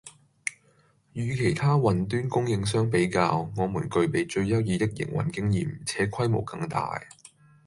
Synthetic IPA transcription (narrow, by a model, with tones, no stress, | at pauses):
jyː˨˧kʰe˨˩jt̪ʰaː˥wɐ˨nt̪̬yː˥nkʊ˥ŋjɪ˧ŋs̬œː˥ŋpe˨˥jkaː˧wŋɔː˨˧muː˨˩nkɵ˧ɥpe˨jt͡ʃɵ˧ɥjɐ˥wjiː˨˧t̪ɪ˥k̚jɪ̰˨˩ŋwɐ̰˨˩nkɪ˥ŋjiː˨mt͡sʰɛː˨˥kʰɐ˥jmo̰˨˩wkɐ˧ŋt̪a̰ː˨j